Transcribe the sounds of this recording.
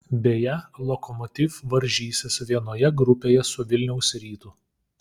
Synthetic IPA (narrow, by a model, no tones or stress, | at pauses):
bʲeːjɛlˠɔkɔmɔt̪ʲifʋɐɾʲʒʲiːsʲɪsʋʲiɛnoːjɛɡɾʊpʲeːjɛsʊʋʲɪlʲnʲɛʊsʲɾʲiːt̪ʊ